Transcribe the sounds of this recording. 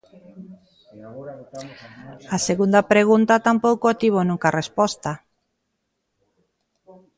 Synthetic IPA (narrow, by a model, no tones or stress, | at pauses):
aseɣund̪apɾeɣ̞unt̪at̪ampowkoat̪iβonũŋkarespost̪a